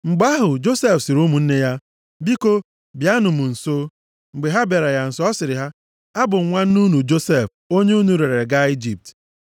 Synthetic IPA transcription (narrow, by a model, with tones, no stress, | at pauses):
ŋ͡m̩˨ɡ͡ba˦ɦʊ˨d͡ʒo˦se˦fsɪ˨ɾu˦mu˨n̩˦ne˦ja˦ | bi˦ko˦ | bja˦nʊ˨mʊ˨n̩˨so˦ | ŋ͡m̩˨ɡ͡be˨ɦa˦be˨ɾa˨ja˨n̩˨sɔ˦sɪ˨ɾɪ˨ɦa˦ | a˦bʊ˨ŋ̩˨ŋʷa˦n̩˦nu˦nu˨d͡ʒo˦se˦˨f | o˦ɲe˦u˦nu˨ɾe˨ɾɾe˨ɡa˦i˦d͡ʒi˨p̚t